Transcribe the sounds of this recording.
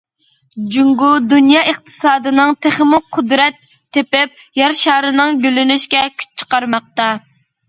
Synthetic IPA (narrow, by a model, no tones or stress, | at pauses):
d͡ʒuŋɡud̪unjɑːəq̚t̪ʰɨ̥sɑːd̪ɨnɨŋt̪ʰæχmʊqʰːʊd̪ɾɛt̪ʰːepɪp̚ | jɛɾʃɑːɾɨnɨŋɡʲølynyʃkʲɛkʲʰy̥t͡ʃt͡ʃʰə̥qɑɾmɑq̚t̪ɑ